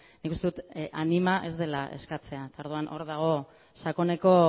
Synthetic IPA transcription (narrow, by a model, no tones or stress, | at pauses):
nikust̪eut̪ʔanimaʔe̞zd̪e̞laʔe̞̰skat͡se̞aet̪ao̞ɾðuanʔo̞ɾðaɣ̞o̞ | sako̞ne̞ko̞